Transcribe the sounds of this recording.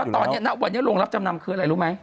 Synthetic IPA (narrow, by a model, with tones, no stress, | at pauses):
ɔ˨˩ɲḭ˧˨na̰ː˧wɓa˨˧˩ɲə̰˧˦˥lu˧˩əŋla˦˥p̚t͡ɕɔ˧mna˨mkɨ˧əla̰ː˧˨lu˧˦ma˧˩j